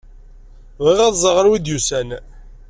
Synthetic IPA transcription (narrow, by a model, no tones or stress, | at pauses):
ðiʁæðˤzˤəʁəɾwid̪jusæn